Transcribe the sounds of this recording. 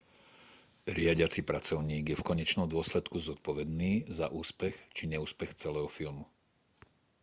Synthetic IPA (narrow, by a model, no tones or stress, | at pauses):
ɾɪaɟɪat͡sipɾat͡sɔʊɲiːɡjɛfkɔɲɛt͡ʃnɔmd̪ʊɔslɛt̪kuzɔt̪̚pɔʋɛd̪niːzaʔuːspɛxt͡ʃiɲɛuːspɛxt͡sɛlɛːɦɔfilmu